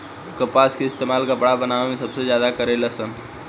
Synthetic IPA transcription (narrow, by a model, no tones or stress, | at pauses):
kəpaːskeɪst̪eːmaːlkabəɽabɐnaːʋmẽsɐbsezjaːd̪akəɾelɐsən